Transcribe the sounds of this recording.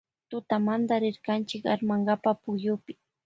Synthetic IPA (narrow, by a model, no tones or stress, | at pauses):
t̪ʊt̪amand̪aɾɪɾkant͡ʃɪka̰ɾmaŋɡapapʊjʊpɪ̥